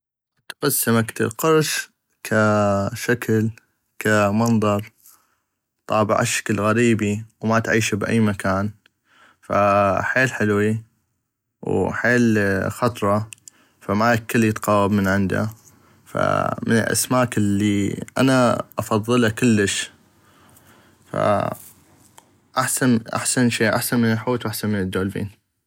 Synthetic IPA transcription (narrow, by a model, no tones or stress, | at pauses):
t̪qasːamakt̪ɪ̰lqʊɾʃ | kʰaʃakʰl | kʰamɑnðˤɑɾˤ | t̪ˤɑ̰ːbɪʕʔa̰ʃːḁklɣaɾiːbiwmat̪ʕiːʃabʔa̰jːmakʰaːn | fa̰ħeːlħɪlwi | wħeːlxɑt̪ˤɾˤɑ | famaːakːəlːjɪt̪qɑːwabmənʕɪnd̪a̰ | fa̰mənə̰lʔa̰smaːkɪlːiʔanaʔɑfɑðˤːɨlakɪlːəʃ | fa̰ | ʔaħsanʔa̰ħsanʃeːʔaħsanmənəlħuːt̪wʔaħsanmɪnəd̪ːoːlbḭːn